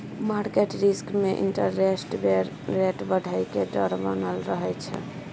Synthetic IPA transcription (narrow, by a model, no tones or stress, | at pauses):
maɾkeʈɾiskmeʔḭɳʈəɾːesʈbeɾ | ɾeʈbəɖʱajkeɖəɾbənəlɾəɦɛt͡ʃʰɛ̰